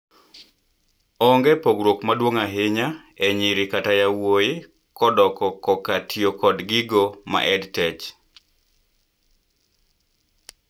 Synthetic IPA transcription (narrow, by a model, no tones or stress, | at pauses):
ɔŋɡɛpoɡɾwokmadwoŋaɦɪɲa | ɛɲɪɾɪkatajawojɪ | kɔdɔkɔkɔkatʰiokɔdɡɪɡoma̰ʔɛdtɛt͡ʃ